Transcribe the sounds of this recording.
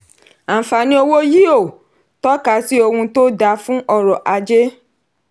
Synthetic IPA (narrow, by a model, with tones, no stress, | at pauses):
a˨fa˨nĩ˦o˧wo˦ji˦o˦˨ | tɔ˦ka˧˦si˦o˧hũ˧to˦da˧fũ˦ɔ˦˨ɾɔ˨ʔa˧d͡ʒe˦